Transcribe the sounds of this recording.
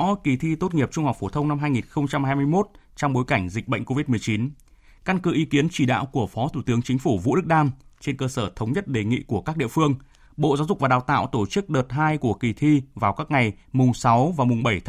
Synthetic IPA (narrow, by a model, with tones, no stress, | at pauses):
ʔɔ˧ki˨˩t̪ʰi˧t̪o˦˥t̚ŋi˨˩əp̚t͡ɕʊ˧ŋ͡mha˨˩k͡p̚fo˧˩t̪ʰə˧wŋ͡mna˧mɦaː˧jŋi˨˩nxə˧wŋ͡mt͡ɕa˧mhaː˧jmɨ˧əjmo˦˥t̚ | t͡ɕɔ˧wŋ͡mɓo˨˦jka˧˩jŋ̟zi˨˩k̚ɓə̰˧˨ŋ̟ko˧vi˦˥t̚mɨ˨˩ət͡ɕi˨˦n | ka˧nkɨ˨˦ʔi˨˦ki˨˦ənt͡ɕi˧˩ɗa̰ː˧˨wku˧˩əfɔ˨˦t̪ʰu˧˩t̪ɨ˨˦əŋt͡ɕï˨˦ŋ̟fu˧˩vṵ˧˥ɗɨ˦˥k̚ɗaː˧mt͡ɕe˧nkəː˧səː˧˩t̪ʰə˨˦wŋ͡mɲə˦˥t̚ɗe˨˩ŋḭ˧˨ku˧˩əkaː˦˥k̚ɗḭ˧˨əfɨ˧əŋ | ɓo̰˧˨zaː˨˦wzʊ˨˩va˨˩ɗaː˨˩wt̪a̰ː˧˨wt̪o˧˩t͡ɕɨ˦˥k̚ɗəː˨˩t̚ɦaː˧jku˧˩əki˨˩t̪ʰi˧vaː˨˩wkaː˦˥k̚ŋa˨˩jmʊ˨˩ŋ͡msa˨˦wvaː˨˩mʊ˨˩ŋ͡mɓə˧˩jt̪